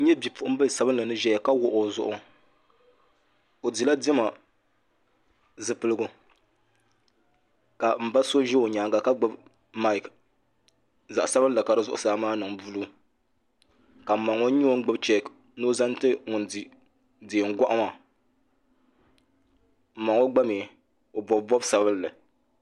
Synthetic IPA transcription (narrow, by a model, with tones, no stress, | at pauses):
ɲɛ˦bi˨pʊ˨ʔʊ˦m˦ba˦˨sa˨bɨ˦nla˨nɨ˦ʒɛ˦jɛ˨ka˦wʊ˨ʔʊ˨zʊ̰˦ʔʊ˦ | o˨di˨la˦dɛ˦ma˨ | zɨ˨pɨ˦lɨ˦ɡʊ˦ | ka˨m̩˨ba˦so˦ʒɛ˦o˨ɲaː˨ŋɡa˨ka˦ɡ͡bɨ˦b | ma˦ɪ˨k | za̰˨ʔa˨sa˦bɨ˦la˨ka˨ɾɨ˨zʊ˦ʔʊ̰˨saː˦maː˦nɨ˨ŋbu˦lu˦ | ka˨ma˨ŋo˦ɲi˦o˦ŋ̩˦ɡ͡bɨ˦bt͡ʃɛ˦˨k | noː˦za˦n˦tɨ˦ŋʊ˨ndi˨ | diː˨ŋ̩˦ɡʷa˦ʔa˦ma˨ | m̩˨ma˨ŋo˦ɡ͡ba˦me˨ | o˨bɔ˨bbɔ˦bsa˨bɨ˦llɨ˨